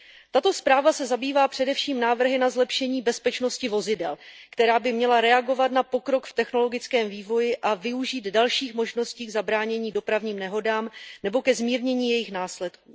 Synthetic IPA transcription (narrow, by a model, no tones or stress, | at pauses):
t̪at̪o̞spɾaːvasɛzabiːvaːpr̝̥ɛdɛfʃiːmnaːvr̩ɦɪnazlɛpʃɛɲiːbɛspɛt͡ʃno̞scɪvo̞zɪdɛlkt̪ɛɾaːbɪmɲɛlaɾɛaɡo̞vat̪napo̞kɾo̞kft̪ɛxno̞lo̞ɡɪt͡skɛːmviːvo̞jɪʔavɪuʒiːd̪dalʃiːxmo̞ʒno̞sciːɡzabɾaːɲɛɲiːdo̞pɾavɲiːmnɛɦo̞daːmnɛbo̞kɛzmiːɾɲɛɲiːjɛjɪxnaːslɛt̪kuː